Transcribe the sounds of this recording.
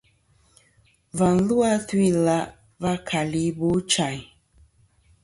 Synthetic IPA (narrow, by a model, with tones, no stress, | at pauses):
va˨n̩˦lu˦a˦twi˦la˦ʔ | va˦kʰa˨li˨˦bo˨˦t͡ʃa˨ɲ